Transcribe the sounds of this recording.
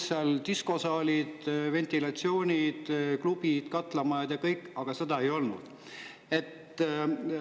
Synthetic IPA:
sɑlt̪isko̞sɑːlʲid̪̥ve̞nt̪ilɑt̪sio̞ːnʲid̪̥klub̥id̪̥kɑt̪ːˑlɑmɑjɑd̪̥jɑkɤjkːˑɑɡ̥ɑse̞d̪̥ɑejo̞lnṵd̪̥ | e̞t̪ː

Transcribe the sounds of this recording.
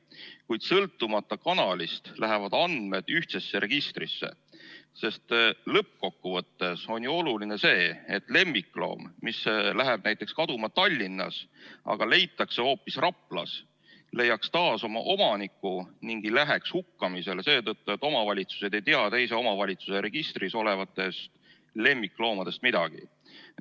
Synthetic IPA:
kujd̪̥sɤlt̪ˑːumɑt̪ˑːɑkɑnɑlʲist̪læɦevɑd̪̥ɑnd̪̥me̞d̪̥yht̪se̞sːeɾe̞ɡ̥ist̪risːe̞̰ | se̞st̪lɤp̚ːko̞kːuvɤt̪ːe̞so̞nʲjuo̞luline̞se̞ːet̪ːˑle̞mːiklo̞̰ːmːislæɦeb̥̚næjt̪ːˑe̞kskɑd̪umɑt̪ɑlʲːinːɑ̰sɑ̰ɡ̥ɑle̞jt̪ːˑɑkseo̞ːpːisrɑpːlɑ̰s | le̞jːɑkst̪ɑːso̞mɑ̰ʔo̞mɑnikːˑuniŋɡ̥ilæɦe̞kshukːɑmise̞lese̞ːt̪ɤt̪ːue̞t̪ːˑo̞mɑvɑlʲit̪su̥se̞d̪̥e̞jt̪eɑt̪e̞jse̞o̞mɑvɑlʲit̪suseɾe̞ɡ̥ist̪riso̞le̞vɑt̪ːe̞st̪ | le̞mːiklo̞ːmɑd̪̥e̞st̪mid̪̥ɑɡ̥ḭ

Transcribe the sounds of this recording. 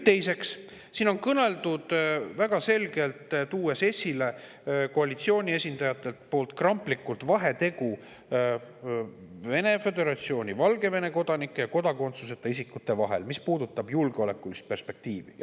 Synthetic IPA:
t̪e̞jse̞ks | siːno̞nkɤne̞ld̪ud̪̥væɡ̥ɑse̞lɡe̞lt̪t̪uːe̞se̞sʲile̞ | ko̞ɑlit̪sio̞ːnʲie̞sʲind̪ɑjɑt̪ːˑe̞lt̪po̞ːlt̪ˑkrɑmplikːˑult̪vɑɦe̞t̪e̞ɡu | ve̞ne̞fe̞d̪e̞ɾɑt̪sio̞ːnʲivɑlɡe̞ve̞ne̞ko̞d̪̥ɑnikːˑejɑko̞d̪ɑko̞nt̪suse̞t̪ːˑeisikːˑut̪ːe̞vɑɦe̞̰lmispuːd̪ut̪ːˑɑb̥julɡeo̞le̞kːˑulist̪̚pe̞rspe̞k̚t̪iːvḭ

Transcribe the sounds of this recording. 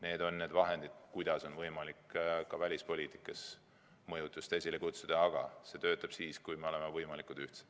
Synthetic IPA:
ne̞ːd̪̥o̞nːe̞ːd̪vɑɦe̞nd̪id̪̥kujd̪̥ɑso̞nvɤjmɑlikːkɑvælʲispo̞liːt̪ˑi̥kːˑɑs | mɤjut̪ːˑust̪esʲilekut̪sud̪̥ɑɑɡ̥ɑ̰se̞t̪ø̞ːt̪ːˑɑb̥siːskujme̞o̞le̞mevɤjmɑlikud̪̥yht̪se̥t̪

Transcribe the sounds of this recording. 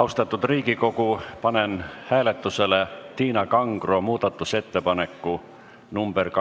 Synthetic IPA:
ɑust̪ɑt̪ːˑud̪riːɡ̥iko̞kupɑne̞nhæːle̞t̪ːˑuse̞le̞t̪iːnɑkɑŋɡ̥ro̞muːd̪̥ɑt̪ːˑuse̞t̪ːe̞pɑne̞kːu | numb̥erk

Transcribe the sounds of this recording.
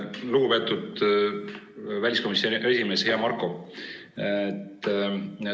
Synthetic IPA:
luɡ̥upe̞t̪ːˑud̪ | vælʲisko̞misoʔe̞sʲime̞ːshe̞ɑmɑrkˑo̞ | t̪ː

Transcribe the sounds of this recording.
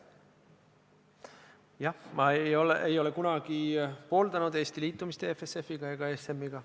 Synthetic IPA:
jɑhmɑejo̞leʔejo̞le̞kunɑɡ̥ipo̞ːld̪̥ɑnud̪̥e̞ːst̪iliːt̪ˑːumist̪eefese̞fiɡ̥ɑeɡ̥ɑesemːiɡ̥ɑ

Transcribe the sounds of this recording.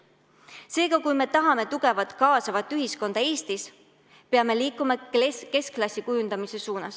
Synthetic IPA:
se̞ːɡ̥ɑkujme̞t̪ɑɦɑme̞t̪uɡ̥e̞vɑt̪ˑkɑːsɑvɑt̪ːˑyɦisko̞nd̪̥ɑe̞ːst̪is | peɑme̞liːkːˑumɑke̞sklɑsʲikujund̪̥ɑmise̞suːnɑs

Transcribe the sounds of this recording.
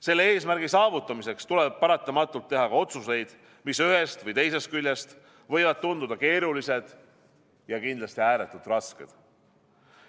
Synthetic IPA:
se̞lːee̞ːsmærɡ̥isɑːvut̪ˑːɑmise̞kst̪uleb̥̚pɑɾɑt̪ˑːɑmɑt̪ːˑult̪ːe̞ɦɑkɑo̞t̪suse̞jd̪̥ | misyɦe̞st̪vɤjt̪e̞js̬e̞st̪̚kylʲjest̪ | vɤ̞jvɑd̪̥̚t̪und̪ud̪ɑke̞ːɾulise̞d̪̥ | jɑkind̪lɑst̪iæːɾet̪ːˑud̪̥rɑske̞̰d̪̥

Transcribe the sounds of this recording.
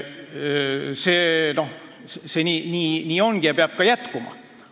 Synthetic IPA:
seːno̞h | sseːnʲiːniːnʲiːo̞ŋɡ̥ijɑpeɑb̥̚kɑjæt̪kumɑ̰

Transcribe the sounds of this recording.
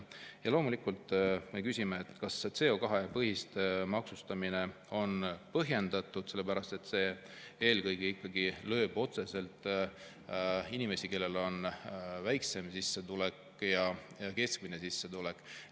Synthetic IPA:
jɑlo̞ːmulikːˑult̪ˑːmekysʲimeːt̪kɑst̪se̞o̞kɑɦepɤɦist̪emɑksust̪ɑmine̞ | o̞npɤɦje̞nd̪̥ɑt̪ːˑud̪̥se̞lːepæɾɑst̪e̞t̪ːse̞ː | e̞ːlkɤjɡiikːɑɡilø̞ːb̥o̞t̪se̞se̞lt̪ˑ | inime̞sʲike̞lːe̞lo̞nvæjkse̞msisːe̞t̪ulekˑ | jɑ | jɑke̞skminesisːe̞t̪ulekːˑ

